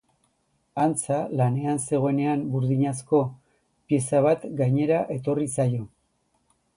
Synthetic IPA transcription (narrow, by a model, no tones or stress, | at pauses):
ant͡salane̞anse̞ɣ̞o̞ene̞ambuɾðiɲas̬ko̞ | pie̞saβ̞at̪ɡajɲe̞ɾaʔe̞t̪o̞risajo̞